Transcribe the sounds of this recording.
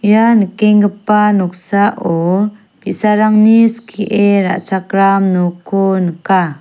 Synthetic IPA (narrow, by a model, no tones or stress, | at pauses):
janəkeŋɡəpanɔk̚saʔɔ | pisaɾaŋniskʰiʔeɾa̰ʔt͡ʃakɾamnukʰonəka